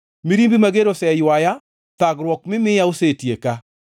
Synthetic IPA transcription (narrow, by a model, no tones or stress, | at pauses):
miɾimbimaɡeɾosɛjwaja | t̪aɡɾwɔk̚mɪmɪjaosetjeka